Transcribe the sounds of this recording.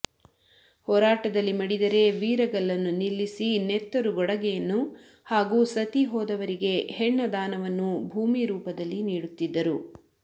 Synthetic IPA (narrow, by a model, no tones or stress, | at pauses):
hɔːɾaːʈɐd̪ɐlːimɐɽid̪ɐɾe̞ʋiːɾɐɡɐɭɐnːunilːisinet̪ːɐɾuɡɔɽɐɡɛjɐnːu | haːɡuːsɐt̪iɦɔːd̪ɐʋɐɾiɡe̞hɛɳːɐd̪aːnɐʋɐnːubʱuːmiɾuːpɐd̪ɐlːiniːɽut̪ːid̪ːɐɾu